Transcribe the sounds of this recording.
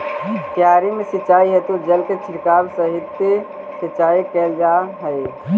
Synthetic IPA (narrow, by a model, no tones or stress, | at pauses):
t̪jaɾimesitːt͡ʃaiɦɛt̪ud͡ʒəlket͡ʃʰiʈkabsəɦit̪ːe | sitːt͡ʃaikɛld͡ʒaɦəɪ